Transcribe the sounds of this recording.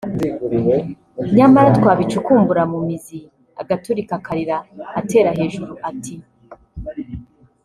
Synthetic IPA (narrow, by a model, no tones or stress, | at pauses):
ɲamaɾatkwaːβit͡ʃukuːmbuɾamumizi | a̰ɡatuɾikakaɾiɾaːte̞ːɾahe̞ːʒuɾuʔati